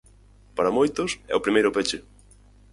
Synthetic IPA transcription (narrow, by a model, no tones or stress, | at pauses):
paɾɐmojt̪ʊsɛ̰ʊpɾimejɾʊpet͡ʃe